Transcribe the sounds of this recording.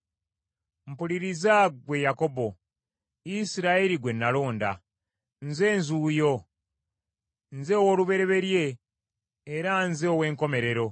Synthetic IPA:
m̩puliɾizaɡwe̞jako̞bo̞ | isiɾaeɾiɡwe̞nːalo̞ːnda̰ | nze̞ːnzuːjo̞ | nzeowoluβe̞ɾe̞βe̞ɾje̞ː | ɾanzeowe̞ːŋko̞me̞ɾe̞ɾo̞

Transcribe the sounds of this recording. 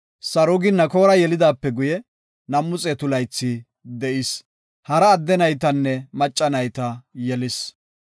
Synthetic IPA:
sɐɾʊɡɪnːɐko̞ːɾɐjɛlɪd̪aːpːɛɡʊjɛ | nɐmːʊt͡sʼɛt̪ʊlɐjt͡sːɪ | d̪ɛʔɪs | hɐɾɐːd̪ːɛnɐjt̪ɐnːɛmɐt͡ʃʼːɐnɐjt̪ɐjɛlɪs

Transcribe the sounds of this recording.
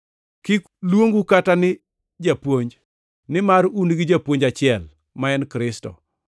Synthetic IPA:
kɪk | lwoŋɡukatanɪ | d͡ʒapwoɲd͡ʒ | nɪmaɾunɡɪd͡ʒapwoɲd͡ʒat͡ʃɪɛl | maɛnkɾɪstɔ̰

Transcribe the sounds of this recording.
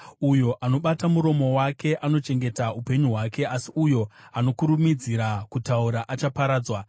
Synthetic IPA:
ujo̞ʔano̞ɓatamuɾo̞mo̞wake̞ʔano̞t͡ʃe̞ŋɡe̞taupe̞ɲuɦwake̞asiʔujo̞ano̞kuɾumid͡ziɾakutauɾaʔat͡ʃapaɾaːd͡zwa

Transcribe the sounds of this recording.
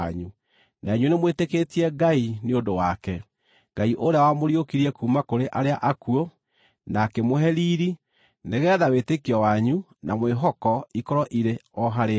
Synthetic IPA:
ɲu | naeɲwenemweteketiɛɡaineondowakɛ | ɡaiʔoɾeawamoɾiokiɾiɛkuːmakoɾeʔaɾeaʔakuo | nakɛmoɦɛɾiːɾi | neɣɛːðawetekiɔwaɲu | namweɦɔkɔikɔɾɔʔiɾeɔɦaɾe

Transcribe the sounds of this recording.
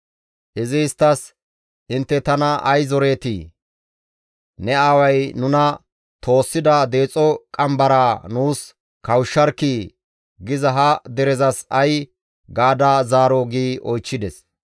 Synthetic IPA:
ʔɪzɪst̪ːɐs | ʔɪnt̪ːɛt̪ɐnɐʔɐjzɔɾe̞ːt̪i | nɛawɐjnʊnɐ | t̪ʰo̞ːsːɪd̪ɐd̪e̞ːt͡sʼɔkʼɐmbɐɾaːnuːs | kɐwʃːɐɾki | ɡɪzɐɦɐd̪ɛɾɛzɐsɐj | ɡaːd̪azaːɾoːɡiːʔɔjt͡ʃːɪd̪ɛs

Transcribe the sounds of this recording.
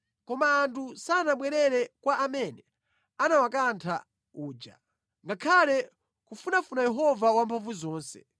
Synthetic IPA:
kɔmaːntʰusanaɓwɛɾɛɾɛkwaʔamɛnɛ | anawakantʰa | uːd͡ʒa̰ | ŋɡakʰalɛ | kufunafunajɛɦɔvawampʰaɱvuzɔːnsɛ̥̰

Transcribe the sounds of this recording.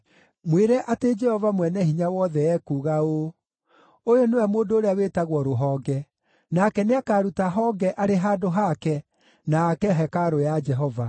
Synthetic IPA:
mweɾɛʔated͡ʒɛhɔvamwɛnɛhiɲawɔðɛɛkuːɣao | ojonewɛmoːndoːɾeawetaɣwɔɾoɦɔːɡɛ | nakɛneakaːɾutaɦɔɡɛʔaɾeɦaːdoɦakɛ | naːkɛɦɛkaɾojad͡ʒɛɦɔva

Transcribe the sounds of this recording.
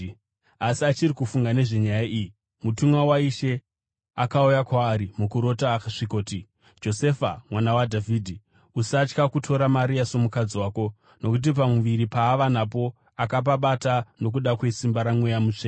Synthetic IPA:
asiat͡ʃirikufuŋɡane̞ʐe̞ɲajaʔiji | mutumwawaiʃe̞ | akaujakwaːɾimukuɾo̞taxʂiko̞ːti | d͡ʒo̞se̞famwanawadʱaviːdʱi | usat͡ʃkakutʰo̞ɾamaɾiaso̞mukad͡ziwaːko̞ | no̞kut̬ip̬amuʋiɾipaːʋanapo̞ | akap̬aɓatano̞k̬uɗakwe̞simbaɾamwe̞jamut͡ʂeː

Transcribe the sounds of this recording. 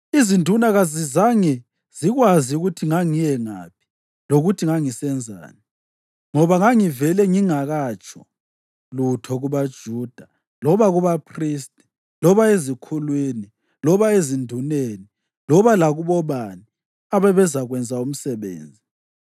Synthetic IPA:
izindʱunaɣazizaŋɛ | z̥iɣwaziuɣutʰiŋaŋijɛŋa̰ːpʰi̥ | loɣutʰiŋaŋisɛnd͡zʱa̰ːni | ŋɔβaŋaŋivɛlɛŋiŋaɣat͡ʃʰʼɔ | lutʰɔɣuβad̥ʒ̥ʱuːd̥ʱa | lɔβaɣuβapʰriːstʼi̥ | lɔβaezikʰulwini | lɔβaezindʱuneːni | lɔβalaɣuβɔβani | aβɛβɛzaɣwɛnd͡zʱaum̩sɛβḛːnd͡zʱi

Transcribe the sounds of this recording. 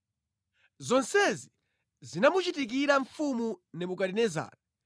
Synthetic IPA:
zɔnsɛzi | zinamut͡ʃitik̬iɾaɱfumunɛmukaɾinɛza̰ːɾa

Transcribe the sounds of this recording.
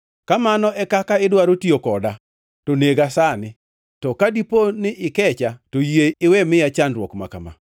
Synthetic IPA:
kamanɔɛkakaɪdwaɾotiokɔda | toneɡasanɪ | tɔkadiponɪʔɪkɛt͡ʃatojeɪwɛmɪjat͡ʃandɾwɔkma̰kama̰

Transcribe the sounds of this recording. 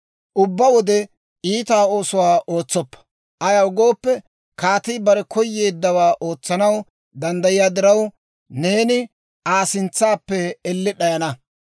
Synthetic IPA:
ʔʊbːɐwɔd̪ɛ | iːt̪aːo̞ːsʊwaːʔo̞ːt͡sːɔpːɐ̥ | ʔɐjɐʊɡo̞ːpːɛ | kaːt̪ɪbɐɾɛkʰɔjːeːd̪ːɐwaːʔo̞ːt͡sːɐnɐw | d̪ɐnd̪ɐjɪjaːd̪ɪɾɐw | ne̞ːnɪ | ʔaːsɪnt͡sːaːpːɛɛlːɪɗɐjɐnɐ

